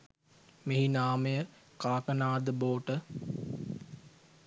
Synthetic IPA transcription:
meɦinaːməjəkaːkənaːd̪əboːʈə

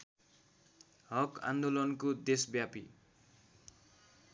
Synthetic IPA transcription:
ɦʌkã̰nd̪olʌnkod̪esbjapi

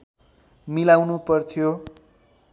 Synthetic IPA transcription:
milawnupʌrt̪ʰijo

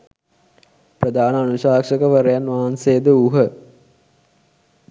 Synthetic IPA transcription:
prəd̪aːnəanuʃaːkʂəkəʋəɾəjanʋaɦansejəd̪əuɦə

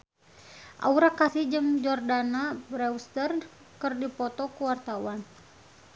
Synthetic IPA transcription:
ʔa̰uɾakasihd͡ʒɨŋd͡ʒɔrdanabɾɛwst̪ər | kərdipɔt̪ɔkuwart̪awan

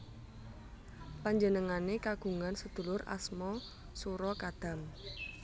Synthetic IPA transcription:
paɲd͡ʒənəŋanekaɡ̥ṳŋansəd̪̥ṳlʊrʔa̰smɔ | suɾɔkad̪̥ä̤m

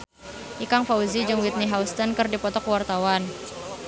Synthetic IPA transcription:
ʔikaŋfauzid͡ʒɨŋwit̪̚niɦawst̪ənkɨrdipɔt̪ɔkwart̪awan

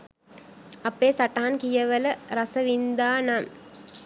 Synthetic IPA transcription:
ɐpeːsaʈaɦankijəʋələɾɐsəʋind̪aːnam

